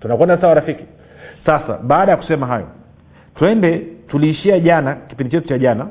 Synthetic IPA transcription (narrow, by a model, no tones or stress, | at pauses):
tunakwɛndasawaɾafiki̥ | sasa̰ɓaːɗajaku̥sɛmaɦajɔ̰ | twɛndɛtuliːʃiaʄanaki̥pindit͡ʃɛtut͡ʃaʄana